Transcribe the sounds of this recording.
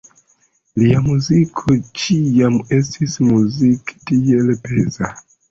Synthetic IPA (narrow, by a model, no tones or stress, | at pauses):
liamuzikʰot͡ʃijamestʰismuziktielepeza